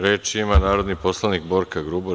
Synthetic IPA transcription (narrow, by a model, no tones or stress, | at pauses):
ɾeːt͡ʃiimanaːɾo̞d̪nipo̞slˠanik̚bo̞ːɾkaɡɾubo